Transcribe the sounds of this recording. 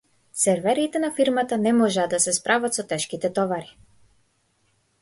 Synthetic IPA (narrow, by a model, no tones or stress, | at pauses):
sɛɾvɛɾit̪ɛnafiɾmat̪anɛmɔʒɛːd̪asɛspɾʔavat̪sɔt̪ɛʃkit̪ɛt̪ɔvaɾi